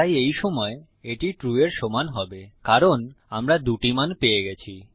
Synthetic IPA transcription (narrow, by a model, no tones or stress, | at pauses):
ajejʃɔmɔe | eʈiʈɾueɾʃɔmanɦɔbekaɾonamɾad̪uʈimanpeeɡɛt͡ɕʰi